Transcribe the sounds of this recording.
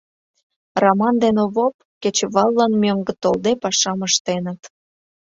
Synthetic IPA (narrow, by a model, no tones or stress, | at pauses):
rɑmɑnd̪enoβop̚ | ket͡ɕβɑlːɑnmøŋɡə̆t̪old̪epɑʃɑməʃt̪enə̆t̪